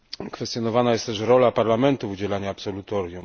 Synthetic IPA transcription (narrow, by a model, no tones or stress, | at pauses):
kfɛst̪jɔnɔvanajɛst̪ɛʂɾɔlapaɾlamɛnt̪ufud͡ʑɛlaɲaːpsɔlut̪ɔɾʲjum